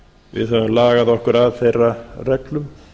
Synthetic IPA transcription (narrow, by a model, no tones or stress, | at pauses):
vɪ̰ðɦɛvʏmlaːɣaðɔhkʏɾaðθejrːarɛklʏm